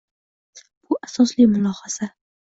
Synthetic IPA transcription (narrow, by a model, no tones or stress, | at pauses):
b̥ʊʔasɒslijmʊlˠɒhasa